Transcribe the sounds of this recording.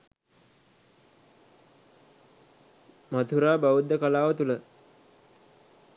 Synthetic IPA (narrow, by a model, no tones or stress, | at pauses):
mat̪ʰuɾaːbaud̪ːəkəlaːʋət̪ulə